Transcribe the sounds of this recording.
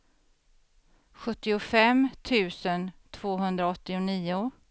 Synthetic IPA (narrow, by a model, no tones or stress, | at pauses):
ɧɵt̪ːɪʊfɛmt̪ʰʉ̟ːsənt̪ʰv̥oːɦɵnd̪ɾaɔt̪ːɪʊniːʊ